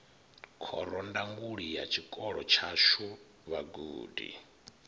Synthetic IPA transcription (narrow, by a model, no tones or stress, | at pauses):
kʰɔɾɔndaŋɡuɺijat͡ʃʰikʼɔɺɔt͡ʃʰaʃu | βaɡuːdḭ